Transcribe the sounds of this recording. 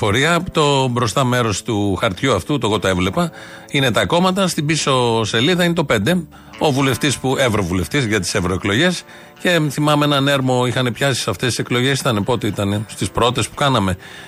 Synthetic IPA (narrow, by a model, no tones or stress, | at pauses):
fo̞ɾiɐt̪o̞bɾo̞st̪ɐmeɾo̞st̪uxɐɾt̪çuɐft̪ut̪oɣo̞t̪oe̞vle̞pɐ | ine̞t̪ɐko̞mɐt̪ɐst̪ibiso̞se̞liðɐine̞t̪o̞pe̞nd̪e̞ | o̞vule̞ft̪ispuevɾo̞vule̞ft̪izʝɐt̪i̥sevɾo̞e̞klo̞ʝe̞s | ce̞θimɐmeenɐne̞ɾmo̞ixɐne̞pçɐsi̥sɐft̪e̞st̪i̥se̞klo̞ʝe̞si̥t̪ɐnepo̞t̪eit̪ɐnest̪ispɾo̞t̪e̞spu̥kɐnɐme̞